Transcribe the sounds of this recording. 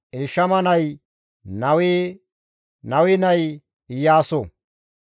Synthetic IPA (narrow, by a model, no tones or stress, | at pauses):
ʔɪlʃɐmɐnɐj | nɐwi | nɐwɪnɐj | ɪjaːso